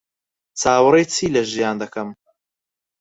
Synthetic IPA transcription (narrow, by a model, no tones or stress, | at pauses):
t͡sʰaːwɨrejt͡sʰiːlɐʒijaːnd̪ɐkɐm